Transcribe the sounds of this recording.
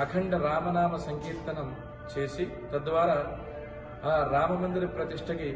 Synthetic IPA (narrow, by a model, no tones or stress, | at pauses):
ɐkʰɐɳɖɐɾaːmɐnaːmɐsɐŋkiːɾt̪ɐnɐm | t͡ʃeːsi | t̪ɐd̪ʋaːɾɐ | ɾaːmɐmɐnd̪iɾipɾɐt̪iʂʈʰɐɡe